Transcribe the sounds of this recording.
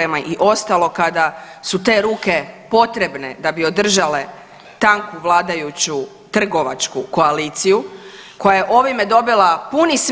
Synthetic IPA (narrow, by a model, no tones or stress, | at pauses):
emaʔiʔo̞st̪alˠo̞kad̪a | sut̪e̞ːɾuːke̞po̞t̪ɾe̞bne̞̰d̪abio̞d̪r̩ʒale̞ | t̪aŋkuʋlˠaːd̪ajut͡ɕu | t̪r̩ɡo̞ʋat͡ʃkuko̞aliːt̪sijuko̞jaje̞ʔo̞ʋimed̪o̞bilapunis